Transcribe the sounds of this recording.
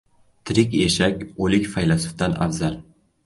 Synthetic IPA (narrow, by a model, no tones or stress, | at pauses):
t̪ʰɪɾɪkʲeʃakʲolɪkʲfajlasɪ̥fd̪anʔa̰vzal